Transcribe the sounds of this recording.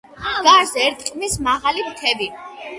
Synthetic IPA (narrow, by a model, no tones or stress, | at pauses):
ɡ̥aɾzɛɛɾt̪ʰʼqʼmismaʁalimkʰɛbi